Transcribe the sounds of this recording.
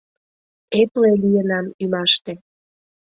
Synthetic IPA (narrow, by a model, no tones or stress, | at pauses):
eplelijənɑmymɑʃt̪e